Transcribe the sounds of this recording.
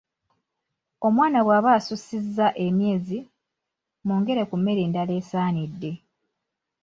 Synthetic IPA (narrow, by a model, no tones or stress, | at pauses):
o̞mwaːnaɣwaːβaːsusizːaʔe̞mje̞ːzi | muːŋɡe̞ɾe̞kumːe̞ɾiːndale̞ːsaːnidːe̞